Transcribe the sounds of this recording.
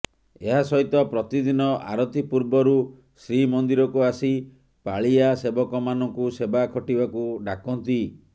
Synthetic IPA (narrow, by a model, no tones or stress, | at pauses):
eɦasɔɦit̪ɔpɾɔt̪id̪inɔʔa̰ɾɔt̪ipuɾbɔɾu | sɾimɔnd̪iɾɔkuasi | paɭiasebɔkɔmanɔŋkusebakʰɔʈibakuɖakɔnt̪i